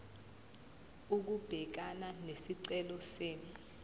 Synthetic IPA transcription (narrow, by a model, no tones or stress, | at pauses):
uk̬ub̥ʱɛk̬ananesiǀɛlɔseːni